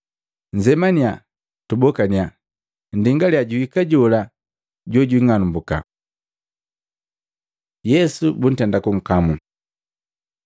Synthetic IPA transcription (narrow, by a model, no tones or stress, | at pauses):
ɲd͡ʒɛmania | tubɔkania | ndiŋɡaljaɟuhikaɟɔla | ɟɔɟwiŋanumbuka̰ | jɛsubun̩tɛndakuŋ̩kamu